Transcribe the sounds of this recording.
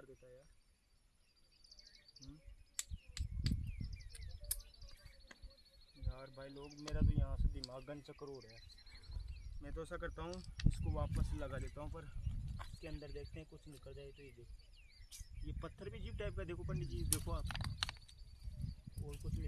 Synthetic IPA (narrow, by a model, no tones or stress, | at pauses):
ɾd̪eːt̪ajaː | ɦ | jaːɾbʱaːiloːɡmeːɾat̪ojɦãːsd̪iːmãːɡənt͡ʃakəɾoːɽɦɛ | mɛ̃ːt̪oɛsakɐɾt̪aɦũːɪskoʋaːpəsləɡaleːt̪aɦũpɐɾɪskeə̃nd̪əɾd̪eːkʰt̪eɦɛ̃kʊt͡ʃʰnɪkːəɾd͡ʒaːet̪ojed̪eːkʰ | jeːpət̪ʰːəɾbʱid͡ʒiʈaːp̚kad̪eːkʰopəɳɖid͡ʒiːd̪eːkʰoaːp | oːɾkʊt͡ʃʰe